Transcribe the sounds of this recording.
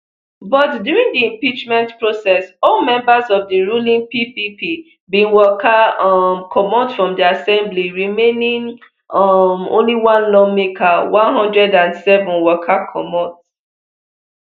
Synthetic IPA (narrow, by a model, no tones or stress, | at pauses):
bɔtdjuɹĩŋdiĩmpit͡ʃmɛ̃ntpɹosɛsɔlmɛ̃mbazɔvdiɹulĩŋpipipi | bĩnwɔkʰamkʰɔmɔ̃ndfɹɔ̃mdiasɛ̃mbliɹimẽnĩŋ | mõ̰nliwãnlɔ̃mekʰawãnɦɔ̃ndɹɛdãnsɛvɔ̃nwɔkʰakʰɔ̰mɔ̃t